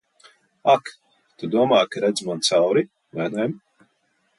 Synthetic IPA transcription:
ak | t̪ud̪uɔmaːjkaɾɛd̪zmant̪sawɾi | lænɛjm

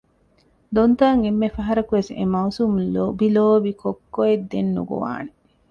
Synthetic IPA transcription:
d̪ont̪aːŋemːefɐɦɐɾɐkuʋesḛmɐwsumobiloːbikʰokːoed̪ːenːṵɡo̰ʋa̰ːne

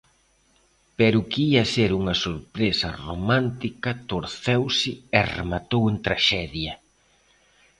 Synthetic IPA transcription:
pɛɾʊkiɐseɾuŋɐsoɾpɾesɐ̰romãnt̪ikɐt̪oɾθewsɪɛrḛmat̪owent̪ɾaʃɛðjɐ

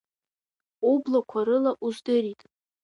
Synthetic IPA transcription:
ublakʷʰaɾɨlaʔuzdɨɾitʼ

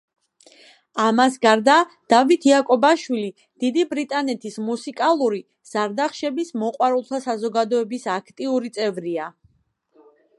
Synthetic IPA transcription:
amasɡaɾd̪ad̪̥avit̪ʰiakʼɔbaʃwili | d̪̥id̪ibɾit̪ʼanɛt̪ʰismusikʼalˠuɾi | z̥aɾd̪aχʃɛbismɔqʼwaɾulˠt̪ʰasazɔɡad̪ɔɛbisakʰt̪ʼiuɾit̪sʼɛvɾia

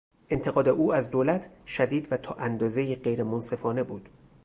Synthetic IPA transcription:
ʔe̞nt̪ʰeɡɒːd̪eʔuːæzd̪oːlæt̪ʰʃæd̪iːd̪væt̪ʰɒːʔænd̪ɒːzejiːɢejɾemonse̞fɒːne̞buːd̪̥

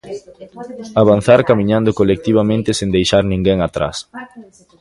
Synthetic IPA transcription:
aβanθaɾkamiɲãnd̪okolek̚t̪iβamẽnt̪ɪsẽnd̪ejʃaɾnĩŋɡeŋat̪ɾa̰s

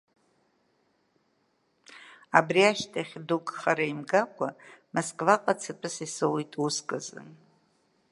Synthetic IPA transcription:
abriaʃtʰaχʲdukʼχaɾaimɡakʷʰamoskʼvaqʼat͡sʰɨtʼɨsisɨwitʼuskʼɨzɨ̰n

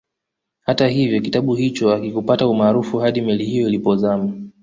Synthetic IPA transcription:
hataɦivjɔkitaɓuhit͡ʃɔakikupataumaːɾufuhaɗimɛlihijɔilipɔzama

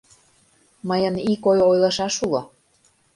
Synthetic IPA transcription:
məjənikojojlɤ̆ʃɑʃulo

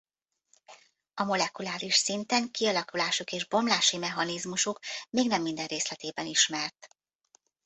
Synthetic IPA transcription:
ɒmo̞lɛkulaːɾiʃsint̪ɛŋkiɒlɒkulaːʃukeːʒbo̞mlaːʃimɛɦɒnizmuʃukmeːɡnɛmːind̪ɛnreːslɛt̪eːbɛniʃmɛrt̪

